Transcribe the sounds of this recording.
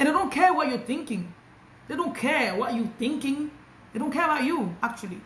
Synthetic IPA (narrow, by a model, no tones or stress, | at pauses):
ɨ̃ndeɪdõʊ̃nkʰɛɹwʌt͡ʃjə˞θɪ̃ŋkɪ̃ŋ | d̥̪edõʊ̃nkʰɛɹwʌtjəθɪ̃ŋkɪ̃ŋ | deɪdõʊ̃nkʰɛɹəbaʊt͡ʃuak̚t͡ʃulˠḭ